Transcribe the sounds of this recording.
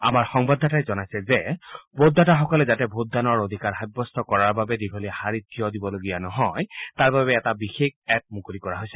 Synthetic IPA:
a̰maɹxɔŋbad̪ʱːatajzɔnajsɛzɛbodʱːataxɔkɔlɛzatɛbʱot̚danɔɹod̪ʱikaɹxajbːɔstʰɔkɔɹaɹbabɛdibʱolihaɹitːijɔdibɔloɡijanɔɦɔjtaɹbabɛːtabixek̚ɛp̚mukulikɔɹaɦojsɛ̥

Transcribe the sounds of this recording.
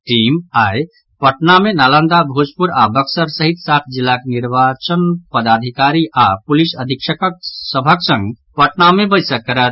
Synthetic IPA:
ʈiːmaːj | pəʈnamenalə̃nd̪abʱod͡ʒpuɾabəksəɾsəɦit̪sat̪ʰd͡ʒilːakniɾʋat͡ʃənpəd̪ad̪ʱikaɾiʔapulisəd̪ʱikʃəkəksəbʱəksə̃ŋɡ | pəʈnamẽbəɪsəkːəɾət̪̚

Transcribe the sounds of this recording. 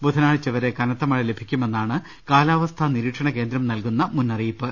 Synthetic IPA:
bud̪ʱɐnaːɻt͡ɕːɐʋɐɾe̞kɐnɐt̪ːɐmɐɭɐle̞bʱikʲːume̞nːaːɳɨ | kaːlaːʋɐst̪ʰɐniɾiːʈʂɐɳɐke̞ːnd̪ɾɐmnɐlkunːɐmunːɐriːpːɨ

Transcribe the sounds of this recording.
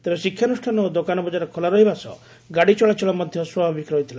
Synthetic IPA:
t̪ebesikʰːjanusʈʰanɔd̪okanɔbɔd͡ʒaɾɔkʰɔlaɾɔɦibasɔ̰ | ɡaɽit͡ʃɔɭat͡ʃɔɭɔmɔd̪ʱjɔswabʱabikɾɔɦit̪ʰila

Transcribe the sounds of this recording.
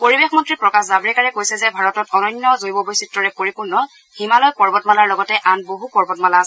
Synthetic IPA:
poɹibexmɔntɹipɹɔkaszabɹikaɹɛkojsɛzɛbʱaɹɔtɔtɔnɔnːjɔzojbɔbojsitɹɔɹɛpoɹipuɹnɔ | himalɔjpɔɹbɔtmalaɹlɔɡɔtɛʔanboɦupɔɹbɔtmalaas

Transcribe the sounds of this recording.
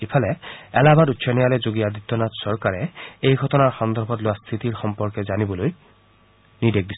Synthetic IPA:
epʰalɛɛlabadutːsɔnɛjalɛzoɡijadʱit̪ːɔnatsɔɹkaɹɛejɡʱɔtɔnaɹxɔnd̪ɔɹbʱɔtlowast̪ʰitiɹxɔmpɔɹkɛzanibɔloj | nidek̚dis

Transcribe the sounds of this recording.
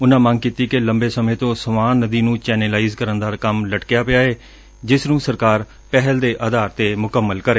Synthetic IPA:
ʊnãːmə̃ŋɡ̚kiːt̪iːkeləmbeːsəmẽːt̪õːsəmaːnːəd̪iːnũːt͡ʃɛːnəlaːiːzkəɾənd̪aːkəmləʈkjaːpɪjaːeː | d͡ʒɪsnũːsəɾkaːɾ | pɛɦəld̪eːʔəd̪aːɾt̪eːmʊkəmːəlkəɾeː

